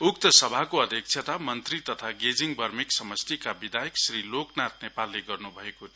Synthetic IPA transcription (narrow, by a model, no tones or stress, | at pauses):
ukt̪ʌsʌbʱakoʌd̪ʱjʌk̚t͡sʰjet̪amʌnt̪rit̪ʌt̪ʰaɡed͡ziŋbʌrmiksʌmʌst̪ikabid̪ajeksriloknat̪nepalːeɡʌrnubʱʌeko